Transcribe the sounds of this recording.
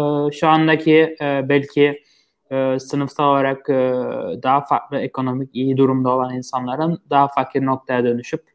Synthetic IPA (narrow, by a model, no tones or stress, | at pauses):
ɛʃuand̪acʰiɛːbælʲcʰi | ɛsɯnɯft̪ʰaolˠaɾakː | d̪aɦafa̰ɾt̪lˠɯekʰo̞no̞micijid̪uɾumd̪ao̞lˠaninsanlˠaɾɯnd̪aɦafaklno̞k̚t̪ʰajad̪ø̞nyʃyp̚